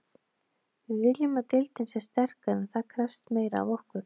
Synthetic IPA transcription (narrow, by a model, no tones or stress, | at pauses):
vɪðvɪljʏmat̪ɪlt̪ɪnsɛst̪ɛr̥kaɪθaðkʰɾɛfst̪meːjɾaa̰vɔhkʏɾ̥